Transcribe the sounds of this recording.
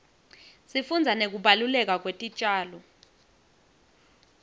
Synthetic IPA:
sifund͡zʱanek̬uɓalulɛk̬ʼak̬wetʼit͡ʃʼaːlɔ

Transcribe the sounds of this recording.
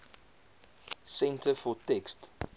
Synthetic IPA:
sɛ̃ntəfɔtɛkst

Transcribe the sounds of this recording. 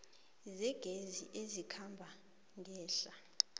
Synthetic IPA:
zɛɡ̥ʱezḭʔezikʰambʱa | ŋɡʱɛːɬa

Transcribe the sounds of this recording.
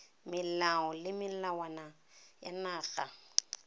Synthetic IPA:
mɪllaɔlɪmɪl̩lawana | janaːɣa

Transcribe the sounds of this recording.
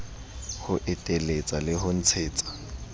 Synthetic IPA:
hʊʔɪtʼelet͡sʼalɪɦʊn̩t͡sʰeːt͡sʼḁ

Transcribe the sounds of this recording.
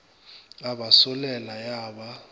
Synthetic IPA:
aɓasɔlɛlajaːɓa

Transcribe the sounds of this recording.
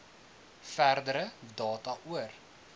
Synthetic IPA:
færdəɾədɑːtɐʔuər

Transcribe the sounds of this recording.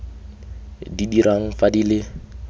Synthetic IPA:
didiɾʔaŋ̩fadilɪ

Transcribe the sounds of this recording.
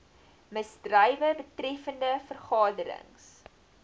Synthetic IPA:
məzdrəjvəbətrɛfəndəfərχɑːdəɾə̰ŋs

